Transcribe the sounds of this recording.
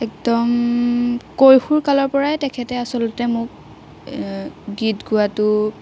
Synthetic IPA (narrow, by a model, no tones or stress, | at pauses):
ɛk̚dɔm | kojxuɹkalɔɹpɔɹajtɛkʰɛtɛasɔlʊtɛmʊk | ɡitɡʊatʊ